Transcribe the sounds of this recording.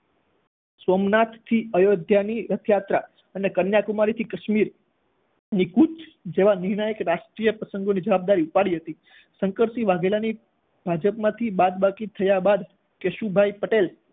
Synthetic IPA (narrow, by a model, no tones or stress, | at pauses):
somnat̪ʰːiəjod̪ʱjaniɾət̪ʰjat̪ɾa | ənekənjakumaɾit̪ʰikəʃmiɾ | nikut͡ʃd͡ʒeʋãniɾɳ̃əjekɾaʃʈɾijəpɾəsəŋɡonid͡ʒəʋab̚d̪aɾiupaɽiɦət̪i | sə̃ŋkəɾsiʋaɡelani | bʱad͡ʒəpmãt̪ʰibad̪bakit̪ʰəjabad̪ | keʃubʱajpəʈel